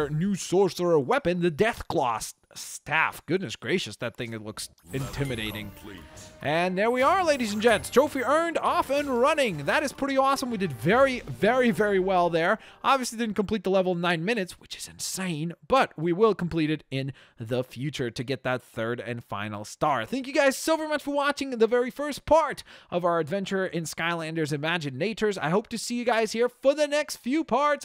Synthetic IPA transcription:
nʉsɔɹsə˞əwɛpɨ̃nðɨdɛθkʰl̥ɔ̰s | stʰæ̰fɡ̥ʊdⁿnɨsɡ̥ɹeɪʃɨsðɨt̪̚θɪ̃ŋɨtˡlʊks | ɨ̃ntʰɪ̃mɨɾeɪɾɪ̰̃ŋʰʔɨ̃nðə˞wiə˞leɪɾizɨ̃n̩d͡ʒɛ̃nstʰoʊfiɜ̃˞ndɔfɨ̃nɹʌnɪ̃ŋðɨɾɨz̥pʰɹ̥ɪɾiɔsə̃mwidɨdvɛɹivɛɹivɛɹiwɛlˠðə˞ʔɑbviɨslidɪdⁿn̩kʰm̩pʰl̥it̪̚ðəlɛvl̩ˠʌvnãɪ̃nmɪ̃nɨtswɨt͡ʃɨ̥z̥ɨ̰̃nsẽɪ̃nb̥ʌt̚wiwɪlˠkʰm̩pʰl̥iɾɨɾɪ̃n | ðəfjʉt͡ʃə˞ɾɨɡɛt̪̚ðɨt̪̚θɜ˞ɾɨ̰̃nfã̰ɪ̃nl̩ˠstɑɹθæ̃ŋkjɨɡaɪz̥soʊvɛɹimʌt͡ʃfə˞wɑt͡ʃɪ̃ŋðɨvɛɹifɜ˞spʰɑɹɾʔʌvaʊə˞ɨdvɛ̃nt͡ʃə˞ʔɪ̃nskaɪlæ̃ndə˞zɨmæd͡ʒɨ̃neɪt͡ʃə˞za̰ɪhoʊp̚tɨsijɨɡaɪz̥hiɹfə˞ðɨnɛkstfjʉpʰɑɹts

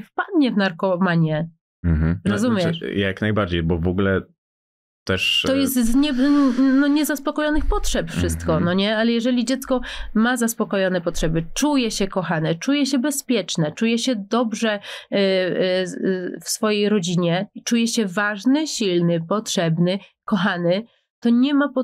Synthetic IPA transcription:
fpad̪ɲɛvnaɾkɔmaɲɛ | m̩ɦm̩ɾɔzumʲjɛjaknajbaɾd͡ʑejbɔvɔɡulɛ | t̪ɛʂɔjɛst̪zɲɛnɔɲɛzaspɔkɔjɔnɘxpɔtʂɛpfʂɘst̪kɔnɔɲɛalɛjɛʐɛlʲid͡ʑɛt̪skɔmazaspɔkɔjɔnɛpɔtʂɛbɘt͡ʂujɛɕɛkɔxanɛt͡ʂujɛɕɛbɛspʲjɛt͡ʂnɛt͡ʂujɛɕɛd̪ɔbʐɛ | fsfɔjejɾɔd͡ʑiɲɛt͡ʂujɛɕɛvaʐnɘɕilnɘpɔt̪ʂɛbnɘkɔxanɘ | t̪ɔɲɛmapɔ

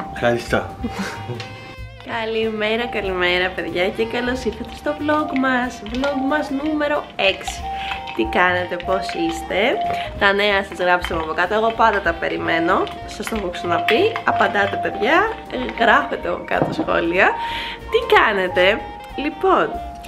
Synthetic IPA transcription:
fxɐɾist̪o | kɐlime̞ɾɐkɐlime̞ɾɐpe̞ðʝɐcekɐlo̞siθet̪est̪o̞vlo̞ɡmɐsvlo̞ɡmɐznume̞ɾo̞e̞ksi̥t̪ikɐne̞t̪e̞po̞sist̪e̞t̪ɐne̞ɐsɐzɣɾɐpst̪emɐpo̞kɐt̪oe̞ɣo̞pɐnd̪ɐt̪ɐpe̞̰ɾime̞no̞ | sɐst̪oxoksɐnɐpiɐpɐnd̪ɐt̪e̞pe̞ðʝɐ | ɣɾɐfe̞t̪eɐpokɐ̰t̪osxo̰liɐt̪ikɐne̞t̪e̞ | lipo̞n

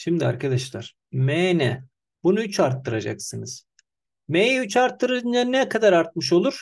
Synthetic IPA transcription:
ʃimd̪ia̰ɾkʰad̪aʃlˠaɾ̥ | meːnɛ | bunuyt͡ʃʰaɾt̪ːɯɾad͡ʒa̰ksɯnɯz̥ | mejjɛyt͡ʃaɾt̪ːɯɾɯɯnannːɛkʰad̪aɾaɾt̪̚mɯʃ̬o̞lˠuɾ̥

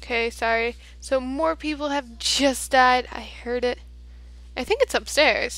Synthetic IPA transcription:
kʰeɪsɑɹi | soʊmɔɹpʰipl̩ˠɨvd͡ʒʌsd̥aɪɾa̰ɪhɜ˞ɾɪt̚ | aɪθɪ̃ŋkɨtsʌpstɛɹz̥

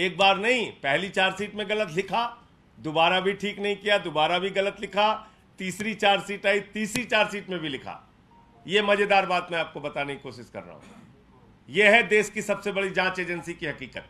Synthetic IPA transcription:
eːk̚baːɾnɐɦĩpɛɦlit͡ʃaːɾsiːʈmẽɣɐlət̪lɪkʰa | d̪obaːɾabʱiʈʰiːknɐɦĩkijad̪obaːɾabʱiɣɐlət̪lɪkʰa | t̪iːsɾit͡ʃaːɾsiːʈaːit̪iːsɾit͡ʃaːɾsiːʈmẽbʱilɪkʰa̰ː | jemɐd͡ʒed̪aːɾbaːt̪mɛ̃aːp̚kobɐt̪anɐɦĩkoːʃɪʃkɐ̰ɾːa̰ɦṵ̃ | jeɦɛd̪eːʃkisɐbsebɐɽid͡ʒãːt͡ʃeːd͡ʒənsikiɦɐkiːkət̪̚

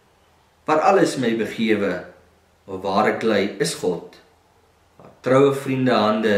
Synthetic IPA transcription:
vɐɾɐləsmɛjbəχiəvə | ɔvɑːɾəklɛjəsχɔt | ɑ̰ːtrœwəfrindəɦɐndə

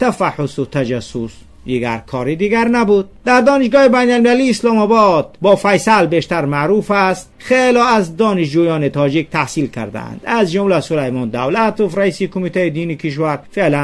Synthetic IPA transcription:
t̪ʰæfaħʊsut̪ʰæd͡ʒæsus | d̪iɡæɾkʰɒːɾid̪iɡæɾnæbud̪̚d̪æɾd̪ɔːniʃ̬ɡɒːhibæjnalmilæliːslɔmæbɔd̪̚bɔːfæjsælbeʃt̪æɾmaɾufæst̪χelɒæzd̪ɒːniʃd͡ʒujɒːnit̪ʰɒːd͡ʒik̚t̪ʰæhsiːlkʰæ̰ɾd̪æ̰æ̰nd̪̥æzd͡ʒumlæsulajmɔːnd̪awlæt̪ofɾæiːsikʰomit̪ʰæid̪iːnikʰiʃ̬væɾfelæ

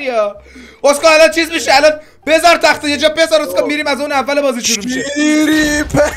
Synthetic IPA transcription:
iɒoskɑːælɒnt͡ʃʰiːzmiʃeælɒn | b̥ezæɾt̪ʰæxt̪ɔjed͡ʒɒːbezæɾoskɒːmiːɾiːmæzuːnævːælebɒːziːʃuɾuiʃeiɾip

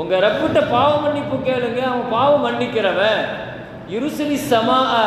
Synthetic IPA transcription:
ʊŋɡɐɾɐpːɯʈːɐpaːʋɐmɐɳːɪpːɯ̃keːɭɯŋɡɐɐʋɐ̃paːʋɐmɐɳːɪkːɪɾɐʋɛ̃ | jɪɾɯsɐlisɐmaː

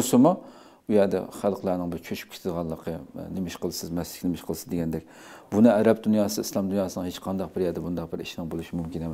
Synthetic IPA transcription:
ɾsɨmu | ujɛd̪ɛ̰χælˠqʰlˠæɾnɪŋbɪɾt͡ʃʰøʃy̥p̚kʰʲe̥t̪ʰɪd̪ʁɑnlˠːəqʰənɪmɪʃqəlˠsɪzmɛsɪ̥kʲnɪmɪʃqʰəlˠsɨzd̪eɡʲɛnd̪ɛk̚ʲ | bunɨæɾɛp̚d̪unjɑːsɨislˠɑmd̪unjɑːsɨnɨŋhet͡ʃqʰɑnd̪ɑq̚bɪɾjɛd̪ɛbund̪ɑqbɪɾḭʃinɨŋbolˠuʃimumkʲinem

